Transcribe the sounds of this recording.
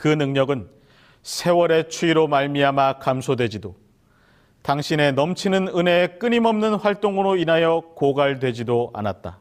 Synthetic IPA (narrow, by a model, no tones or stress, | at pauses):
kɯnɯŋɲʌɡɯn | sʰe̞wʌɾe̞t͡ɕʰuiɾomaɭmiamakamsʰodwe̞d͡ʑido | taŋɕʰine̞nʌmt͡ɕʰinɯnɯne̞k͈ɯɲimʌmnɯnɸwaɭt͈oŋɯɾoinɦajʌkoɡaɭdwe̞d͡ʑidoa̰nat̚t͈a